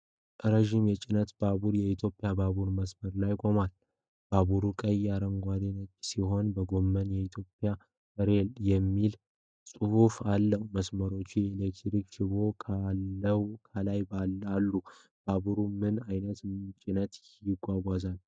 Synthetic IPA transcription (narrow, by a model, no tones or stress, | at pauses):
ʔɾəʒimjɛt͡ʃʼɪnət̪b̥aβuɾjɛit̪ʰjo̞pʼɪjabaβuɾməsməɾlajkʼo̞mal | b̥aβuɾukʼəjːaɾəŋɡʷad̪inət͡ʃːsiho̞nbəɡo̞mːənjɛit̪ʰjo̞pʼːja | əɾeljɛmːil | sʼɨhufalːəhməsməɾo̞t͡ʃːijɛilek̚t̪ɾikt͡ʃɪβo̞kʰlːəwkʰəlajbalalːu | b̥aβuɾumɨnajnət̪t͡ʃʼɪnət̪jɪɡʷaɡʷazal